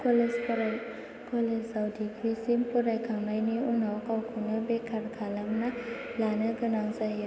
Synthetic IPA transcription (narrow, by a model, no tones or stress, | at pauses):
kɔlespɔɾaj | kɔlessawdikɾisimpɔɾajɡʰʱamlajniunawkawkʰunɯbekʰaɾkʰalamnalanɯɡɯnaŋsajɯ